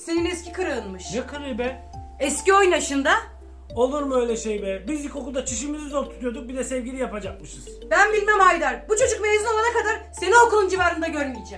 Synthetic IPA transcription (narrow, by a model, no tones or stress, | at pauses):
seninɛscʰʲikʰɯɾɯɯnmɯʃjakʰɯɾɯbɛ | ɛscio̞jnaʃɯnd̪a | o̞lˠuɾmø̞jlʲɛʃejbɛbiziko̞kud̪at͡ʃʰiʃ̬imizizolˠt̪ʰu̥t̪ʰujo̞d̪uk̚bid̪ɛsɛvɟʲilʲijapad͡ʒak̚mɯʃɯz̥bænbilʲmɛmhajd̪aɾbut͡ʃʰo̞d͡ʒuk̚melʲezino̞lˠanakad̪aɾse̞nio̞kulˠund͡ʒivaːɾɯnd̪aɟø̞ɾmijid͡ʒɛm